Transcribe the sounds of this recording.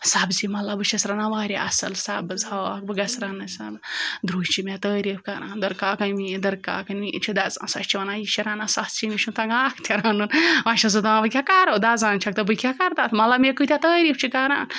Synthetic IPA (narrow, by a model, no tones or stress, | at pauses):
sɐbzimɐlabɨʃɐsɾɐnaʋaːɾʲiʔɐ̰sɐ̰lsabɨzawak̚bɨɡɐsɾɐnɐsɐbd̪ɾuːʃt͡ʃʰimʲet̪ɐːɾiːfkɐɾaːnd̪ɐɾkaːkɐnmid̪ɐɾka̰ːkɐnmit͡ʃʰid̪aːza̰ːnsɐʃt͡ʃʰiʋɐnaːjiʃʰiɾaːnasɐst͡ʃimʲiʃũt̪ɐŋɡaːkʰt̪ʲʰɐɾaːnɨnʋaːʃɐzɐt̪ɐãbɐkʲakaːɾɐwd̪aːzãːnt͡ʃʰɐk̚t̪ɐbɨkʲakɐɾd̪aːt̪mɐlamʲekɨt̪ʲat̪əːɾiːft͡ʃʰikɐɾa̰ːn